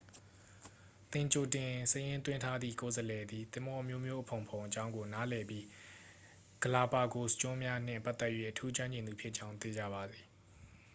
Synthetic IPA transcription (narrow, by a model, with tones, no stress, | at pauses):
t̪ɪ̃˨ɲt͡ɕo˨tɪ̃˨səjɪ̃˦nt̪wɪ̃˦ntʰa˦d̪ðḭ˦˨ko˨zəlɛ˨d̪i˨t̪ɪ̃˨mɔ˦ʔə˦mjo˦mjo˦ʔəpʰõ˨ʊ̃mpʰõ˨ʊ̃ʔət͡ɕã˦ʊ̃ŋɡo˨na˦lɛ˨pji˦ | ɡ̥əla˨pa˨ɡo˨st͡ɕʊ̃˦mja˦n̥ɪ̰̃˦˨pa˦ʔt̪ːɛ˦ʔjwḛ˦˨ʔətʰu˦t͡ɕwã˦ɲd͡ʑɪ̃˨nd̪u˨pʰjɪ˦ʔt͡ɕã˦ʊ̃t̪e˨d͡ʑa̰˦˨ba˨d̪i˨